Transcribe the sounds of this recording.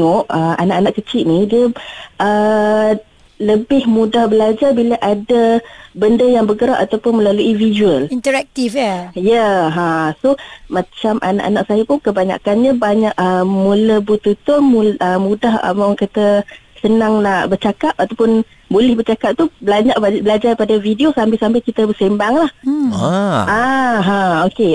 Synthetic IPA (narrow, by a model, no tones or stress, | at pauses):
ɔʔəanaʔanaʔkət͡ʃɪʔ̪nidiəʔə | ləbɪhmudahbəlad͡ʒarbiləʔadabəndəjaŋbəɡəɾaʔat̪awpʊnməlaluʔivizuəlint̪əɾak̚t̪ifjajəɦãsomãt͡ʃamʔa̰na̰ʔana̰ʔsajapʊnkəbaɲa̰kanɲabaɲaʔəmuləbut̪ut̪ʊnmuəmudahə̰mawŋkat̪əsənaŋnaʔbərt͡ʃakap̚at̪awpʊn | bolɛhbərt͡ʃakap̚t̪ubəlaɲaʔbəlad͡ʒarpadavidiosambɪlsambɪlkit̪əbəsembaŋlah | aɦãoke